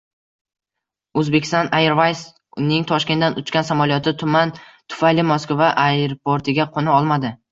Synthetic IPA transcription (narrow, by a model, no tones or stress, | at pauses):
ɵzbe̞kʲɪ̥st̪ɒnajeɾvajs | nɪŋt̪ʰɒʃkʲend̪anʊt͡ʃkʲansamalijɒt̪ʰɪt̪ʰʊmant̪ʰʊ̥fajlɪmoskvaʔaɾopʰoɾt̪ʰɪɡʲaqʰonɪɒlˠmad̪ɪ